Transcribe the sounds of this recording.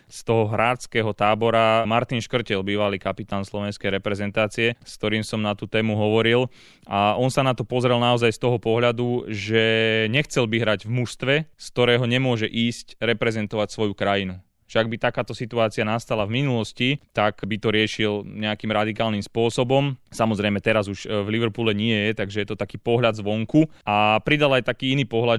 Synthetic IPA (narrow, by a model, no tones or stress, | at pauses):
st̪ɔɦɔɦɾaːt͡skɛɦɔt̪aːbɔɾamaɾt̪inʃkr̩cɛlbiːʋalikapit̪aːnslɔʋɛnskɛjɾɛpɾɛzɛnt̪aːt͡siɛsk̚t̪ɔɾiːmsɔmnat̪ut̪ɛːmuɦɔʋɔɾil | aʔɔnsanat̪ɔpɔzɾɛlnaɔzajst̪ɔɦɔpɔɦʎad̪uʒɛɲɛxt͡sɛlbiɦɾaɟvmuʃst̪ʋɛsk̚t̪ɔɾɛːɦɔɲɛmʊɔʒɛʔiːscɾɛpɾɛzɛnt̪ɔʋacsʋɔjukɾajinu | ʃɛaɡbit̪akaːt̪ɔsit̪uaːt͡sianast̪alavminulɔscit̪akbit̪ɔɾɪɛʃilɲɛakimɾad̪ikaːlnimspʊɔsɔbɔmsamɔzɾɛjmɛt̪ɛɾazuʒvliʋɛɾpulɛɲɪɛjɛt̪aɡʒɛjɛt̪ɔt̪akiːpɔɦʎad̪zʋɔŋkuapɾid̪alajt̪akiːiniːpɔɦʎa